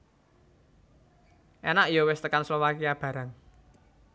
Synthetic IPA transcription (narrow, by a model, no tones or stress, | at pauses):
ʔɛnaʔijɔwɪst̪əkanslowakiab̥ä̤ɾaŋ